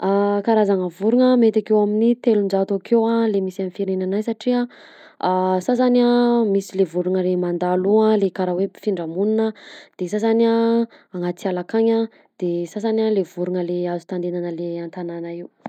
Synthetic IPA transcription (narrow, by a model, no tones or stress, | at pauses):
akaɾazaŋəvuɾuŋəmet̪akewaminit̪elund͡ʒat̪okewalemisamifiɾenanajsaʈ͡ʂia | asas̬aniamisilevuɾuŋəlemand̪alualekaɾawefiɳɖ͡ʐamuninəd̪̥esasaniaːŋat͡s̪ialakaɲa | d̪̥esasanialevuɾuŋəleazu̥t̪and̪enanəleant̪ananaiw